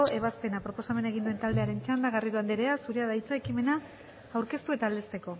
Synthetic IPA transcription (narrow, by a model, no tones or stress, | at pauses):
oʔe̞β̞aspe̞napɾo̞po̞same̞nae̞ɣ̞ind̪ue̞nt̪ald̪e̞aɾe̞nt͡ʃand̪aɣariðuand̪eɾe̞asuɾeaðajt͡saekime̞na | awɾke̞st̪ue̞t̪aːld̪est̪eko̞